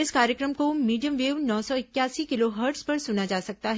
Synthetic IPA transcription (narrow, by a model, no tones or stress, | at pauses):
ɪskaːɾjəkɾəmkomiːɖijəmʋeːʋnɔːsɔɪkːjaːsikɪloɦəɾʈspɐɾsʊnad͡ʒaːsɐk̚t̪aɦɛ